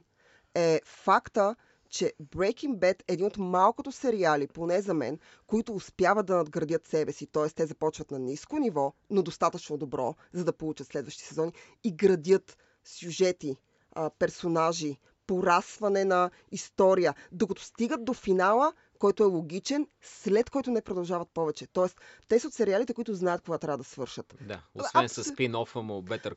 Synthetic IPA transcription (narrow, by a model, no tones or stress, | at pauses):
ɛfakt̪ə | t͡ʃɛbɾɛjkiŋɡbɛt̪ɛːd̪inot̪malˠkot̪osɛɾialiponɛzɐmɛ̰n | koit̪ʊːspjavət̪̚d̪ɐnɐd̪ɡɾɐd̪jət̪sɛbɛsit̪ɔɛst̪ɛzɐpɔt͡ʃvɐt̪nɐniskonivɔnod̪ost̪at̪ət͡ʃnod̪obɾɔ̰ | zɐd̪ɐpolˠut͡ʃət̪slɛd̪vəʃt̪i̥sɛzɔni | iɡɾɐd̪ʲjət̪ | sʲjuʒɛt̪i | pɛɾsonaʒi | poɾasvɐnɛnɐ | ist̪ɔɾijəd̪okɐt̪o̥st̪iɡət̪̚d̪ofinalˠə | kɔjt̪oɛlˠoɡʲit͡ʃɛn | slɛt̪kɔjt̪ʊnɛpɾod̪ɐlˠʒavɐt̪̚pɔvɛt͡ʃɛt̪ɔɛst̪ɛsəot̪sɛɾialit̪ɛkoʊit̪ʊznajət̪̚koɡat̪ɾʲavəd̪ɐsvɤɾʃət̪d̪a̰osvɛnsɐspinɔfəmobɛt̪əɾ